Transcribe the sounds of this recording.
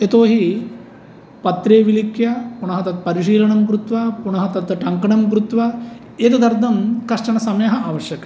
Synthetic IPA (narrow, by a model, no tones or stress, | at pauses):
et̪oːɦi | pɐt̪ɾeːʋilikʰjɐpuɳɐɦɐt̪ɐt̪̚pɐɾiʃiːlɐɳɐmkɾut̪ʋɐpuɳɐɦɐt̪ɐt̪ɐʈɐŋkɐɳɐmk̬ɾut̪ʋɐ | eːt̪ud̪ɐɾd̪ʱɐmkɐɾʂʈɐɳɐsɐmɐjɐɦɐaːʋɐʃjɐkɐ